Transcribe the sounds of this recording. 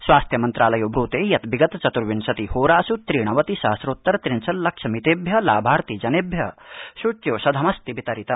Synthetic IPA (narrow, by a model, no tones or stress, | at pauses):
sʋaːst̪ʰjɐmɐnt̪ɾʔaːlɐjobɾuːt̪eːjɐt̪biɡɐt̪t͡ʃɐt̪uɾʋinsɐt̪ihoːɾaːsut̪ɾiːɽ̃ɐʋɐt̪isaːsɾoːt̪ːɐɾt̪ɾinsɐllɐkʃʰɐmit̪eːbʱjɐlaːbʱaːɾt̪id͡ʒɐnebʱjɐʃuʈjoːsɐd̪ʱɐmɐst̪ibit̪ɐɾit̪ɐ